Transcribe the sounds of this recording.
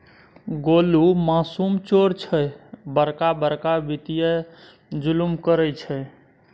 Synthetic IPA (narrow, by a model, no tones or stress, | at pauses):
ɡolumasumt͡ʃoɾt͡ʃʰɛbəɾkabəɾkabit̪ije | d͡ʒulumkəɾɛt͡ʃʰɛ